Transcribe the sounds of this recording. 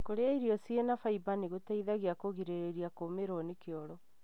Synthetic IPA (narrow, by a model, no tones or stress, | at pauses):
koɾeaiɾiɔsienafaibaniɣotaiðaɣeakoɣiɾeɾeɾiakomeɾɔnekeɔɾɔ